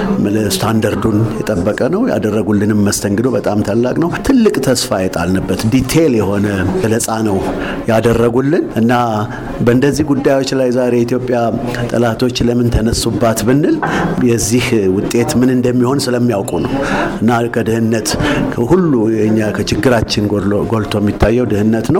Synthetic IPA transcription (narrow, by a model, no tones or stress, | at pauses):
mlst̪ʰand̪aɾd̪unjɛt̪ʼəbːəkʼənəwja̰d̪ərːəɡulːɨnɨmːəst̪ʰəŋɡɨd̪o̞βət̪ʼamt̪ʰalːakʼnəwt̪ʰɨlːɨkʼt̪ʰəsfajɛt̪ʼa̰lnəbːət̪d̪it̪ʰe̞ljɛho̞nəələsʼanəw | jad̪ərːəɡulːɨnʔɨnːa | bənd̪əzːihɡud̪ːajwo̞t͡ʃːlajzaɾeit̪ʰjo̞pʼjat̪ʼəlat̪ʰo̞t͡ʃːləmɨnt̪ʰənəsːubːat̪bɨnːɨljɛzːihwʊt̪ʼːe̞t̪mɨnɨnd̪əmːiho̞nsɨləmːijawkʼunəwɨnːakʰəd̪ɨhɨnːət̪ʰhulːuɨɲːakʰət͡ʃɪɡːɨɾat͡ʃːɪnɡo̞lt̪ʰo̞jɛmːit̪ʰːajːɛwd̪ɨhɨnːət̪nəw